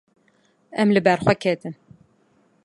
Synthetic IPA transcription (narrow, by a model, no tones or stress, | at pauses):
ʔɛmlɨbæɾxʷwɛkʰeːt̪ɨn